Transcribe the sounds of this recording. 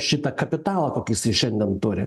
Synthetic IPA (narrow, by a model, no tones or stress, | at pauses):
ʃʲɪt̪ɐkɐpʲɪt̪ɑːlˠɐkoːkʲɪsɐɪʃʲɛnʲd̪ʲɛnt̪ʊɾʲɪ